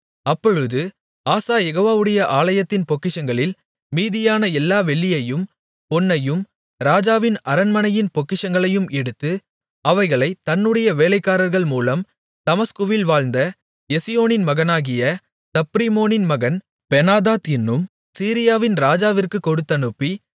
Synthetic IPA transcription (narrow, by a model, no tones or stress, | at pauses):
ɐpːɔɻɯðɯ | aːsaːjɛɣoːʋaːʋɯɽɐjɐʔaːlɐjɐt̪ːɪnpɔkːɪʂɐŋɡɐɭɪl | miːðɪjaːnɐɛlːaːʋɛɭːɪjɐjɯm | pɔnːɐjɯm | ɾaːd͡ʒaːʋɪnɐɾɐnmɐnɐjɪnpɔkːɪʂɐŋɡɐɭɐjɯmɛɽɯt̪ːɯ | ɐʋɐɪɣɐɭɐɪt̪ɐnːɯɽɐjɐʋeːlɐɪkːaːɾɐɾɣɐɭmuːlɐm | t̪ɐmɐskɯʋɪlʋaːɭnd̪ɐ | jɛsɪjoːnɪnmɐɣɐnaːɣɪjɐ | t̪ɐpːɾimoːnɪnmɐɣɐn | pɛnaːðaːt̪ɪnːɯm | siːɾɪjaːʋɪnɾaːd͡ʒaːʋɪrkɯkːɔɽɯt̪ːɐnɯpːi